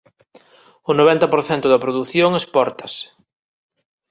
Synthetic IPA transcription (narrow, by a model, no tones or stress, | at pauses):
ʊnoβ̞ɛnt̪ɐpoɾθɛnt̪ʊðɐpɾoðuθjoŋespɔɾt̪ɐsɪ̥